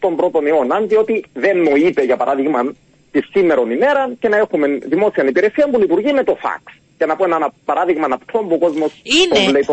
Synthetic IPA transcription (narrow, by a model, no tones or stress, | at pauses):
t̪o̞mbɾo̞t̪o̞nionɐnd̪io̞t̪iðe̞nːoipeʝɐpɐɾaðiɣmɐn | t̪isːimːeɾo̞nime̞ɾɐce̞nɐe̞xumenðimo̞siɐnipiɾe̞siɐmbulipuɾʝimet̪o̞fɐ̰ks | cenɐpoenɐnɐpɐɾʔaðiɣmɐnɐpt̪ʰo̞mbuko̞zmo̞spoleip